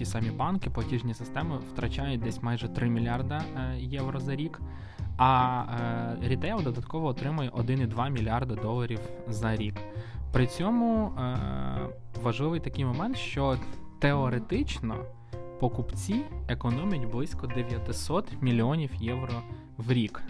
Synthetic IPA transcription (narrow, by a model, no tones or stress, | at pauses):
tʲisɑmʲibɑnkɪpɔtʲiʒnʲisɪst̪ɛmɪwt̪ɾɐt͡ʃajʊt̚ʲd̪ɛsʲmɑjʒɛt̪ɾɪmʲilʲɑrd̪ɐjɛwɾɔzɐɾʲik | ɐ | ɾʲit̪ɐjawd̪ɔd̪ɐt̪kɔʋɔːt̪ɾɪmʊjɛʔɔd̪ɪnid̪ʋɑmʲilʲiɑrd̪ɐd̪ɔlˠɐɾʲiwzɐɾʲikpɾɪt͡sʲɔmʊ | ʋɐʒlˠɪʋɪjt̪ɐkɪjmɔmɛnt̪ʃt͡ʃɔt̪eɔɾet̪ɪt͡ʃnɔ̰ | pɔkʊpt͡sʲiekɔnɔmʲɐtʲblˠɪsʲkɔd̪eʋʲjɐt̪ɪsɔt̪mʲilʲiɔnʲiwjɛwɾɔ | wɾʲik